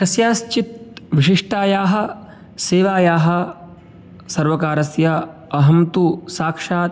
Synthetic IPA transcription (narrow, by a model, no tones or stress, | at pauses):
kɐsjaːst͡ʃit̪̚ʋiʃiʂʈaːjaːɦɐ̆ | seːʋaːjaːɦɐ̆ | sɐɾʋɐkaːɾɐsjɐ | ɐɦɐmt̪usaːkʂaːt̪